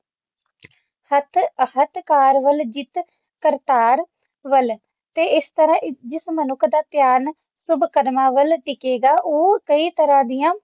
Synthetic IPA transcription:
hət̪ʰhət̪kaːɾʋəld͡ʒɪt̪ | kəɾt̪aːɾ | ʋəl | t̪eːɪst̪əɾãːʔd͡ʒɪsmənʊkʰd̪aːt̪jaːn | sʊbkəɾmaːʋəlʈɪkeːɡaːʔoːkəiːt̪əɾãːd̪ijãː

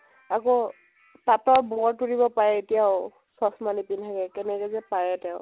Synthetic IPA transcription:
ako | tatɔɹbɔɔɹtuɹibɔpaɹɛetijaʊ | sɔsmanipintʰakɛkɛnɛkɔzɛpaɹɛtɛʊ̃

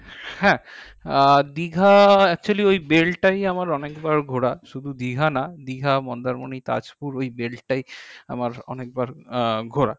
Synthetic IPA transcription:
hɛ̃ | d̪iɡʱaɛk̚t͡ɕualiojbelʈajamaɾɔnekbaɾɡʱoɽaʃud̪ʱud̪iɡʱanad̪iɡʱamɔnd̪aɾmonit̪a̰d͡ʑpuɾojbelʈaja̰maɾɔ̰nek̚baɾɡʱoɾa̰

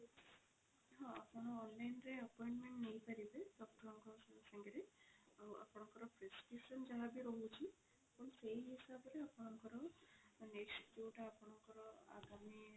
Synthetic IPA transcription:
ɦɔ̃a̰pɔɽ̃ɔːnlajnɾeəpɔjɳʈmeɳʈnejpaɾibedɔk̚ʈɔɾɔŋkɔsasaŋɡeɾeawʔa̰pɔɽ̃ɔŋkɔɾɔpʰɾesʈisɔnd͡ʒaɦabiɾoɦut͡ʃʰi | pɔnsejɦisabɔɾeapɔɽ̃ɔŋkɔɾɔnekskuʈaːpɔɽ̃ɔŋkɔɾɔa̰ɡami

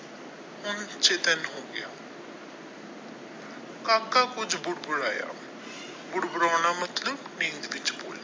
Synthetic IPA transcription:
ʊnt͡ʃeːt̪ənɦoːɡɪja̰ː | kãːkaːkʊd͡ʒbʊɽbʊɽaːja̰ː | bʊɽbʊɽaːnaːmət̪ləbnĩːnd̪ʋɪt͡ʃboːla

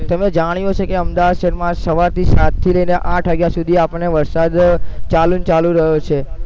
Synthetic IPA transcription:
t̪əmed͡ʒaɽ̃ijot͡ʃʰekeəmd̪aʋad̪ʃəɾmãsəʋaɾt̪ʰisat̪ʰːiləineʔãʈʰʋəɡjasud̪ʱiapəɳːeʋəɾsad̪t͡ʃalunt͡ʃalũɾəɦjot͡ʃʰe

